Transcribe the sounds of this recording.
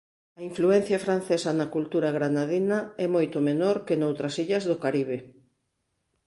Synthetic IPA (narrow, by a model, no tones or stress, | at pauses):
ɐiɱfluɛn̟θjɐfɾan̟θɛsɐnɐkult̪uɾɐɣɾanaðinɐɛmojt̪ʊmenoɾkɪnowt̪ɾɐsiʎɐzðʊkaɾiβ̞e